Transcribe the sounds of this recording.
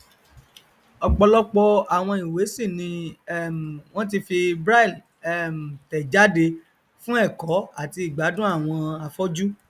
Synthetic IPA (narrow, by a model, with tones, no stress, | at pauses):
ɔ˨k͡pɔ˧lɔ˦k͡pɔ˧a˨w̃ɔ̃˧i˨we˨˦si˦˨nĩ˧ɛ˦m˨w̃ɔ̃˦t̬i˧fi˧bɾa˦˨l | ɛ˦m̩˨tɛ˨d͡ʒa˦de˧ | fũ˦ɛ˦˨kɔ˨˦a˦˨ti˧i˨ɡ͡ba˨˦dũ˦a˦˨w̃ɔ̃˧a˧fɔ˦d͡ʒu˦